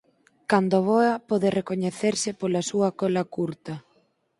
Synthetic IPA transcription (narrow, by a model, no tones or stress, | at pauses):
kand̪oβɔɐpɔðɪrekoɲeθeɾsɪpolɐsuɐkɔlɐkuɾt̪ɐ